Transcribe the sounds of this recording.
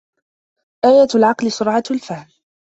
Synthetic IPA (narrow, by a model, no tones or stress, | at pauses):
ʔaːjalʕɑqlɪsʊɾʕɑalfahm